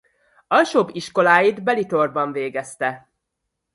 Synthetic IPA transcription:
ɒlʃoːbiʃko̞laːjid̪bɛlit̪o̞rbɒɱveːɡɛst̪ɛ

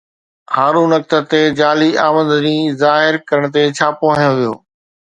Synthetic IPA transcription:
haːɾũnɐk̚t̪ə̆t̪ed͡ʑaːliaːmə̃nd̪nĩːzaːɦɪɾkɐɾəɽ̃ət̪̬et͡ɕʰaːpoɦajõʋijo̰ː

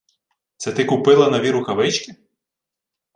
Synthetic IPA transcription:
t̪sɛt̪ɪkʊpɪlˠɐnɐʋʲiɾʊkɐʋɪt͡ʃkʲɪ

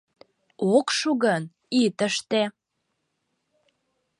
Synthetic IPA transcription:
okʃuɣən | it̪əʃt̪e

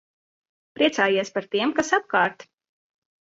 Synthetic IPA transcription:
pɾʔiɛt̪saːjiɛspaɾt̪iɛmkasap̚kaːɾt̪

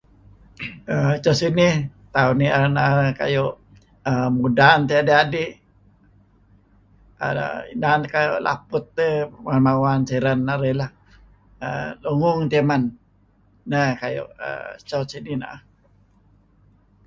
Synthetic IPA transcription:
ət͡ʃɔsinit̪aunianaʔka̰joʔ | əmudant̪eadeadi | ə̰ḭnankajoʔlʔa̰pʊt̪̚ːəmanmawanseɾənːaɾelah | əluŋʊŋt̪emanː | əkajo̰ʔə̰t͡ʃɔsinina̰ʔah

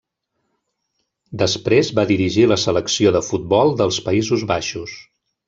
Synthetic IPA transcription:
d̪əspɾezβaðiɾiʒiləsələksioðəfut̪̚bɔlˠd̪əlˠspəizuzβaʃus

